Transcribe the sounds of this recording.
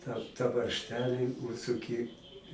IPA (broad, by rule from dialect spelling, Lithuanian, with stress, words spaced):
tɑː tɐ ʋɐrʲʃʲˈtʲæːlʲiː ʊʃsʊˈkʲɪ